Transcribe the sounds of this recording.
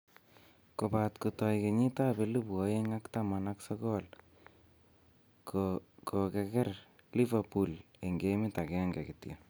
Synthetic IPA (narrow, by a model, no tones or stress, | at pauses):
kopatkutɔjkeɲitapelupɔeŋaktamanaksɔkɔl | kokɛkɛr | livapuleŋɡemɪtakɛŋɡɛ̰kɪtja̰